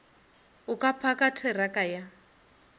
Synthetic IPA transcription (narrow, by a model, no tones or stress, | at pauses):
ukʼapʰakatʰɛrakaja